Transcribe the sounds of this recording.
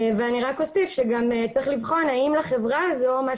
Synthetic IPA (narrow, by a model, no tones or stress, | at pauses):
veaniʁako̞sifʃeɡamet͡sʁiχlivχo̞naimlaχevʁazoma